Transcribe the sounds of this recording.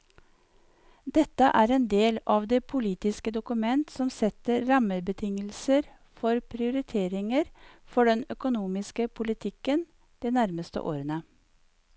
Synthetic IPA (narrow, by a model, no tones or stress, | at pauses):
d̪ɛt̪ːəʔæːɾɛːnd̪eːlɑʋd̪eːpʰʊliːt̪ɪskəd̪ʊkʉmɛnt̪sɔmsɛt̪əɾɾɑməbət̪ʰɪŋəlsəɾ | fɔɾpʰɾɪʊɾɪt̪ʰeːɾɪŋəɾfɔɖɛnœkʊnuːmɪskəpʰʊlɪt̪ʰɪkːən | d̪̥eːnæɾməst̪ə̰ʔo̰ːɾənə